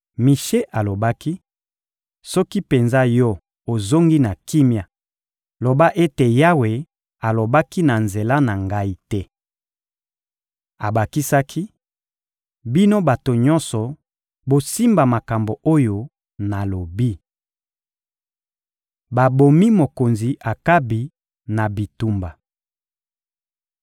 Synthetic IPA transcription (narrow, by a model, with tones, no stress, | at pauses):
mi˨ʃe˦ʔa˨lo˨ba˦ki˦ | sɔ˦ki˦pe˨nza˦jɔ˦ | o˨zo˦ŋɡi˦na˨ki˦mja˨ | lo˨ba˦ʔe˦te˨ja˦we˨ | a˨lo˨ba˦ki˦na˨nze˨la˦na˨ŋɡa˦i˦tɛ˦ | a˨ba˨ki˦sa˦kʰi˦ | bi˦no˦ba˨to˨ɲɔ˦nsɔ˨ | bo˨si˦mba˨ma˨ka˨mbo˨o˦jo˨ | na˨lo˨bi˦ | ba˨bo˨mi˦mo˨ko˨nzi˨ʔa˨ka˦bi˨ | na˨bi˨tu˨mba˨